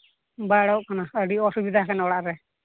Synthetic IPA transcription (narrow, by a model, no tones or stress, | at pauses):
baɽawʔkanaəɖiɔsubid̪ʱakanaɔɽaʔɾɛ